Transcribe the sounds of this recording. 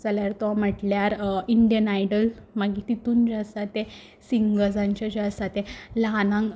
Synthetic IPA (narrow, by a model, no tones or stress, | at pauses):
d͡zaljaɾt̪ɔm̤əʈljaɾiɳɖjənajɖəlmaɡit̪it̪uːnd͡ʑast̪at̪ẽ | siŋɡɡəd͡zãɲt͡ɕad͡ʑast̪at̪elanãŋ